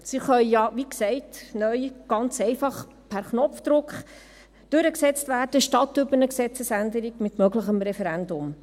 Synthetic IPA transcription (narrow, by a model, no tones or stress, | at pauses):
siχœʏjɑʋiksɛɪtnœʏɡ̥ɑnt͡sɛɪfɑχ | pʰæɾχnɔfd̥̪ɾʊkχ | d̥ʉɾəksɛt͡stvæːrd̥əʃtɑtʏbənəksɛt͡səsændəɾiɡmɪtmœɡləχəmɾɛfɛɾændʊm